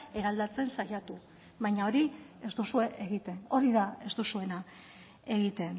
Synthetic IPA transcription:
e̞ɾald̪at͡se̞nsajat̪u | βajɲao̞ɾie̞st̪usue̞ʔeɣit̪e̞no̞ɾiðae̞zt̪usue̞na | e̞ɣit̪e̞n

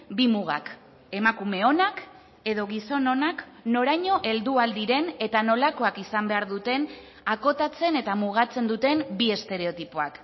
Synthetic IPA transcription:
bimuɣa̰k | e̞makume̞o̞nak | e̞ðo̞ɣiso̞no̞nak | no̞ɾajɲo̞ʔe̞ld̪uald̪iɾe̞ne̞t̪ano̞lako̞akisambe̞aɾðut̪e̞n | ako̞t̪at͡se̞ne̞t̪amuɣ̞at͡se̞nd̪ut̪e̞mbie̞st̪e̞ɾe̞o̞t̪ipoa̰k

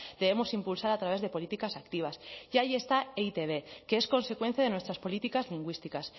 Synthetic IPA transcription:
d̪e̞βe̞mosimpulsaɾat̪ɾaβ̞e̞zðe̞po̞lit̪ikasakt̪iβ̞asʝaʝie̞st̪aeit̪e̞β̞e̞keesko̞nse̞kwe̞n̟θjaðe̞nwest̪ɾaspo̞lit̪ikazliŋɡwist̪ikas

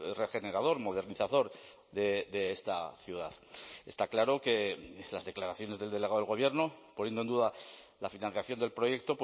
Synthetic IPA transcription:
re̞xe̞ne̞ɾaðo̞ɾmo̞ð̞e̞ɾniθaðo̞ɾ | ðed̪eest̪aθjuðaðḛst̪aklaɾo̞ke̞lazðeklaɾaθjo̞ne̞zðelde̞leaðeɣo̞βje̞ɾnoponje̞ndoend̪uða | lafinãnθjaθjo̞nd̪elpɾo̞je̞k̚t̪o̞p

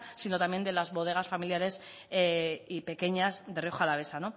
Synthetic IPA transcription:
sino̞t̪amje̞nd̪e̞lazβo̞ð̞e̞ɣ̞asfamiljaɾe̞s | ipe̞ke̞ɲasðe̞rio̞xoalaβe̞sano̞

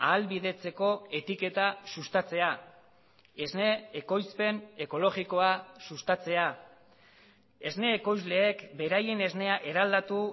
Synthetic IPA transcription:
aːlβiðe̞t͡se̞ko̞e̞t̪ike̞t̪asust̪at͡se̞a | e̞zne̞ːko̞jspe̞ne̞ko̞lo̞ɣiko̞asust̪at͡se̞a | e̞zne̞ːko̞jzle̞ːkbe̞ɾaje̞ne̞zne̞aʔe̞ɾald̪at̪u

